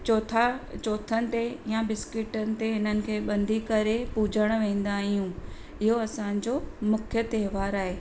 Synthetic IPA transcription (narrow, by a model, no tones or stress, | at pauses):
t͡ɕoːt̪ʰat͡ɕoːt̪ʰənɪ̆t̪ejabɪskɪʈənɪ̆t̪eɦɪn̤ənɪ̆kʰeːɓɐ̃nd̪ʱikɐɾepuːd͡ʑʱəɽ̃ʋẽːn̆d̪aːɦijũ | ɪɦoɐsãːɪ̃ɲ̆d͡ʑoːmʊkʰjət̪ɐɦʋaːɾaːɦeː